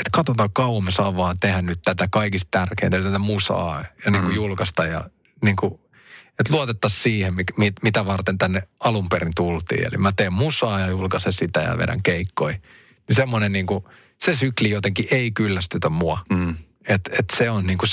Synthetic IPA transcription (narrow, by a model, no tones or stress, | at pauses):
et̪kɑt̪ot̪ɑːkkɑuɑmesɑːʋʋɑːnt̪ehænnyt̪t̪æt̪ækɑikist̪̚t̪ærkeint̪æelyt̪æt̪æmusɑ̰ːjɑniːŋkujulkɑst̪ɑjɑ̰ | niːŋku | et̪luot̪et̪ːɑssiːhemmikmimit̪æʋɑrt̪ent̪ænːeɑlumpeɾint̪ult̪ḭːḛlḭmæt̪eːmmusɑːjɑjulkɑsesit̪æ̰jɑ̰ʋḛdæ̰ŋkeikːoi | nisemːonenniːŋku | sesyklijot̪eŋkiʔeikylːæst̪yt̪æmuɑ | et̪et̪seonniːŋku